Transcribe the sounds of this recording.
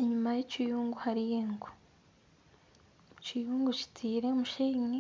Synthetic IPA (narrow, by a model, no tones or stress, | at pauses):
ɲumajet͡ʃijuːŋɡuhaɾijeŋɡu | t͡ʃijuːŋɡut͡ʃi̥tʰiːɾemuʃeːŋi